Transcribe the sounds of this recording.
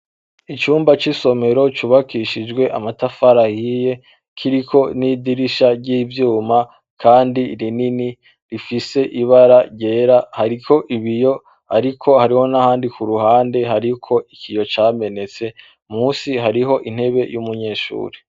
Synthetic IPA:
it͡ʃuːmbat͡ʃiso̞me̞ɾo̞t͡ʃuβakiʃid͡ʒɡwe̞ʔamatafaɾahije̞ | kʰiɾikʰo̞niːdiɾiʃaɾɟiːvjuːma | kaːndiɾinini | ɾifise̞ʔiβaɾaɾɟe̞ːɾahaɾikʰo̞ʔiβijo̞ | haɾikʰo̞haɾiho̞nahaːndikuɾuɦaːnde̞ɦaɾikʰo̞ʔikijo̞t͡ʃaːme̞ne̞t͡se̞ | muːsiɦaɾiɦo̞ʔin̥he̞βe̞jumuɲe̞ːʃṵːɾe

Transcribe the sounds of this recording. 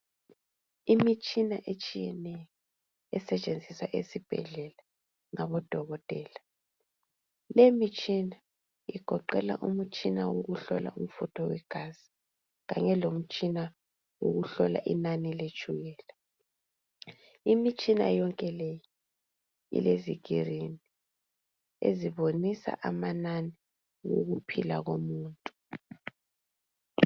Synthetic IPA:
imit͡ʃʼinaʔet͡ʃʼijɛnɛjɔ | ɛsɛt͡ʃʼend͡zʱisaʔesib̥ʱɛ̰ɮɛla | ŋaβɔd̥ʱɔɣɔtʼɛːla | lemit͡ʃʼina | iɡ̥ʱɔǃɛla̰ʔum̩t͡ʃʼinawoɣuɬɔ̰la̰um̩futʰɔwɛɡ̥ʱaz̥i̥ | ɣa̰ɲɛlom̩t͡ʃʼina | wo̰ɣuɬɔla̰ʔḭnanilet͡ʃʰʼuɣɛːlɛ | imit͡ʃʼina̰jɔŋkʼɛleji | ḭleziɣʱirini | ḛziβonisa̰ʔamanani | wo̰ɣupʰilaɣomuːntʼu̥

